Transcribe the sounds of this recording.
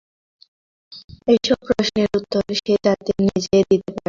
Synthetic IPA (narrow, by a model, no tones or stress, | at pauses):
ejʃɔb̚kɾoʃneɾut̪ːoɾʃetat̪enid͡ʑed̪it̪epaɾe